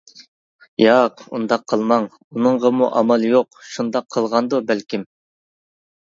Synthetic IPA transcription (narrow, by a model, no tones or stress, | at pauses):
jɑqṵnd̪ɑqʰːəlˠmɑŋ | unɨŋʁəmṵʔɑmɑlˠjoqʃund̪ɑqʰːəlˠʁɑnd̪ubælkʲim